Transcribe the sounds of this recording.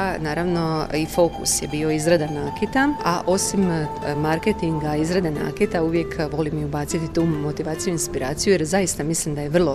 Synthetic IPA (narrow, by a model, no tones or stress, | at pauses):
naːɾaʋno̞ifo̞kṵsjebio̞izɾad̪anaːket̪aaʔo̞simmaɾket̪iŋɡaizɾad̪ana̰ːket̪auʋje̞kʋo̞limiubaːt̪sit̪it̪uːmːo̞t̪iʋaːt̪sijuinspiɾaːt̪sijujeɾzajist̪amislimd̪ajeʋr̩lˠo̞